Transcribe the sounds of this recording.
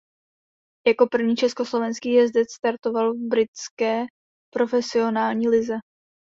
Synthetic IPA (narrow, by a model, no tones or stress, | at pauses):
jako̞pr̩vɲiːt͡ʃɛsko̞slo̞vɛnskiːjɛzdɛt̪st̪aɾt̪o̞valvbɾɪt͡skɛː | pɾo̞fɛsɪo̞naːlɲiːlɪzɛ